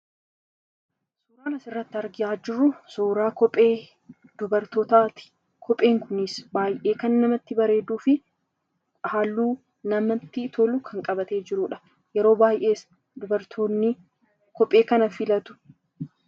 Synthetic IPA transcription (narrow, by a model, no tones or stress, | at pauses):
suːɾaːnɐsɪrːɐt̪ːɪɐɾɡɪaːd͡ʒɪrːʊsuːɾaːkɔpʼeː | d̪̥ʊbɐɾt̪ɔt̪aːt̪ɪ̥ | kʰɔpʼe̞ːŋkʊnɪsbaːjʔe̞ːkɐnːɐmɐt̪ːɪbɐɾe̞ːd̪uːfɪ | haːlːuː | nɐmɐt̪ːɪt̪ʰɔlʊkʰɐŋkʼɐbɐt̪e̞ːd͡ʒɪɾuᶑɐ̥ | jɛɾo̞ːbaːjʔe̞ːs | d̪ʊbɐɾt̪ʰoːnɪ | kɔpʼːe̞ːkɐnɐfɪlɐt̪ʊ̥